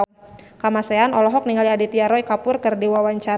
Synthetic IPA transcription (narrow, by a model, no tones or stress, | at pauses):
kamasɛanɔlɔɦɔk̚niŋaliadit̪iaɾɔikapʊrkɨrdiwawaɲt͡ʃa